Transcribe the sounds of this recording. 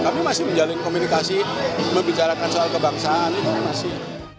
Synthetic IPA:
kamimasɪhməɲd͡ʒalɪnkomunikasiməmbit͡ʃaɾakansoalkəbaŋsaanik̪umimasɪh

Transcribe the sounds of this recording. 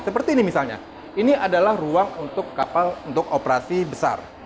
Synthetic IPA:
səpərt̪iːnimisalɲa̰ | iniʔadalahruaŋunt̪ʊkːapalunt̪ʊkopəɾasibəsa̰r

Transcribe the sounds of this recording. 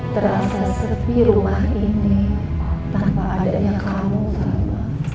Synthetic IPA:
t̪əɾasasəpiɾumahini | t̪ampaʔːdaɲakamusaa

